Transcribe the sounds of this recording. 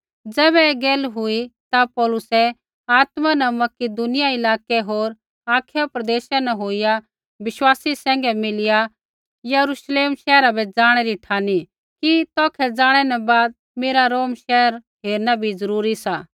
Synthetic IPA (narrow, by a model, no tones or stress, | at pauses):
d͡zɛːβɛeːɡɛːlɦʊit̪apɔːlʊsɛ | aːt̪manɛmɐkid̪ʊnɪjaɪlaːkɛɦoːɾ | aːkʰejopɾɐd̪eːʃanɛ̃ɦoːɪja | bɪʃwaːsisɛ̃ːŋ̆ɡɛmɪlɪja | jɐɾuʃleːmʃɛːɾabʱɛd͡zaːɽ̃ɛɾiʈʰaːni | kit̪ɔːkʰɛd͡zaːɽ̃ɛnɛ̃baːd̪̚ | meːɾaɾoːmʃɛːəɾ | ɦeːɾnabʱizɐɾuːɾisaː